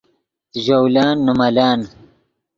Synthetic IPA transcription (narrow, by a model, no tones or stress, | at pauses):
ʒowlaːnːumɐlaːn